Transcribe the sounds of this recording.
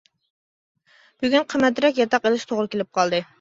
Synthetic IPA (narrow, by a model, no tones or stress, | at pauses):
b̥yɡʲynqʰəmːɛt̪ɾɛk̬ʲjɑt̪ɑqelˠɪʃt̪ʰoʁɾɨkʲelɪp̚qʰɑlˠd̪ɨ